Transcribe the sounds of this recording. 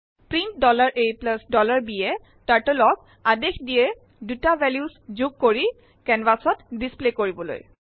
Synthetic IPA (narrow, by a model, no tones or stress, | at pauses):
pɹint̚dɔlaɹʔejplasdɔlaɹbiɛ | taɹtolɔk | adexdijɛ | dutabʱɛljuszuɡ̚koɹi | kɛnbasɔtdisplekoɹibɔlo̰j